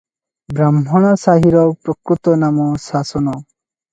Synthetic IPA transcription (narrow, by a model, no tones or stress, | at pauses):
bɾamɦɔɽ̃ɔsaɦiɾɔpɾɔkɾut̪ɔnamɔsasɔnɔ